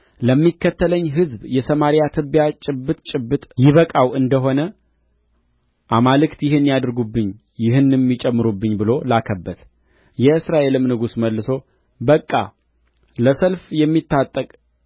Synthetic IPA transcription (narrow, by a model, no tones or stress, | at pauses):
ləmːikʰːət̪ʰːələɲːɦɨzbjɛsəmaɾijat̪ʰɨbjat͡ʃʼɪbːɨt̪ʼt͡ʃʼɪbːɨt̪ʼjɪβəkʼawʔɨnd̪əɦo̞nə | ʔamalɨkt̪jɪhɨnːijad̪ɾɡubːɨɲː | jɪɦɨnːɛmːit͡ʃʼɛmːɨɾubːɨɲːbɨlo̞lakʰəbːət̪ | jɛɨsɾaʔe̞lɨmnɨɡusməlːɨso̞ | bəkʼːa̰ | ləsəlfjɛmːit̪ːat̪ʼːəkʼ